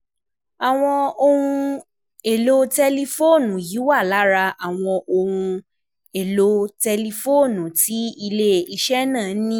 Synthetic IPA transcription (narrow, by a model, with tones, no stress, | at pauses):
a˨w̃ɔ̃˧o˧hũ˧ | e˨lo˧tɛ˧li˧fo˦˨nũ˨ji˨˦wa˦˨la˨˦ɾa˧a˨w̃ɔ̃˧ʔo˧hũ˧ | e˨lo˧tɛ˧li˧fo˦˨nũ˨ti˨˦i˧le˦i˧ʃɛ˦nãː˦˨˦nĩ˦